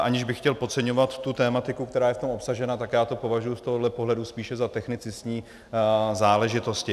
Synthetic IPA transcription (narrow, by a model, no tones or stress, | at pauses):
ʔaɲɪʒbɪxcɛlpo̞t͡sɛɲovat̪ːut̪ɛːmat̪ɪkukt̪ɛɾaːjɛft̪omo̞psaʒɛnat̪akjaːt̪o̞po̞vaʒujust̪oɦodlɛpoɦlɛduspiːʃɛzat̪ɛxnɪt͡sɪsɲiː | zaːlɛʒɪt̪oscɪ